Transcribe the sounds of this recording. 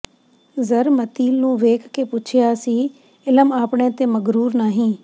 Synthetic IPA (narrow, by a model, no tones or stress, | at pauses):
zəɾmət̪iːlnũːʋeːkʰkeːpʊːt͡ʃʰɪjaːsiː | ɪləmaːpɳẽːt̪eːməɡɾuːɾnaːɦĩː